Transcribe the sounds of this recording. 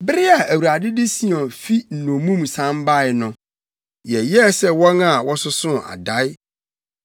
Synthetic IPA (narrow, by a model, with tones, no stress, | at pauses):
bɾɪ˦a˨æ˨wu˨ɾa˨dɪ˦dɪ˦si˦ɔ̃˨fi˦n̩˨nõ˨mũ˦msã˦mba˦˨ɪ˨nʊ̃˨ | jɛ˨jɛ˦sɛ˦wɔ̃˦na˨wɔ˦sʊ˦sʊ̃˦a̰˨da˨˦jɪ˦